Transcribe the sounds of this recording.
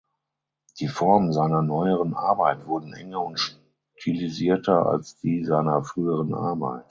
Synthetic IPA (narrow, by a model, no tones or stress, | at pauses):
d̥iːfɔɐmənzaɪnɐnɔʏəʁənʔa̰ɐbaɪtv̥ʊɐdn̩ʔɛ̰ŋɐʊntʃ | tʰiliziːɐtʰɐa̰lsd̥iːzaɪnɐfʁ̥yːəʁənʔa̰ɐba̰ɪt